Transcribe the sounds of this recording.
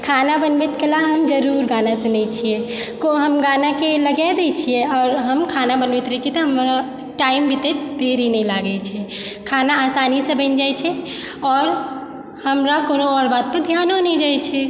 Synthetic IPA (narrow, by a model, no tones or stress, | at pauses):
kʰanabənʋet̪kelaɦəmd͡ʒəɾuɾɡanasẽnɛjt͡ʃʰije | koɦəmɡanakeləɡɛd̪ɛt͡ʃʰijeɔːɾɦəmkʰanabənʋɛt̪ɾɛt͡ʃʰiɛt̪ɔɦəmɾa | ʈaimbʱit̪ed̪eɾinɛlaɡɛt͡ʃʰɛkʰanaːsanisə̃bʱə̃nd͡ʒajt͡ʃʰɛɔːɾ | həmɾakonoɔɾbad̪̚pəɾd̪ʱjanonɛd͡ʒajt͡ʃʰɛ